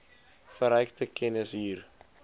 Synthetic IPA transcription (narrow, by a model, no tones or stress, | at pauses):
fəɾœɥktəkɛnəsɦiːr